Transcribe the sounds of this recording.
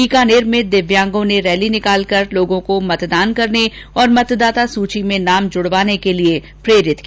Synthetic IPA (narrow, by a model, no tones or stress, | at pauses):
iːkaːneːɾmẽd̪ɪʋjãːŋɡõneɾɛːlinɪkaːlkɐɾloːɡõkomɐt̪d̪aːnkɐɾneɔːɾmɐt̪d̪aːt̪asuːt͡ʃimẽnaːmd͡ʒʊɽʋaːnekelie | pɾeːɾɪt̪ki